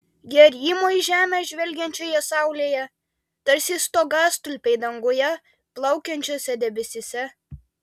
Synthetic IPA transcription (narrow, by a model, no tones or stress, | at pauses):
ɡʲɛɾʲiːmoːiʒʲæːmʲɛʒʲʋʲɛlʲɡʲɛnʲt͡ʃʲoːjɛsɑˑʊlʲeːjɛ | t̪ɐɾʲsʲist̪oɡɑːst̪ʊlʲpʲɛɪd̪ɐŋɡojɛ | plˠɐʊkʲɛnʲt͡ʃʲoːsʲɛd̪ʲɛbʲɛsʲesʲɛ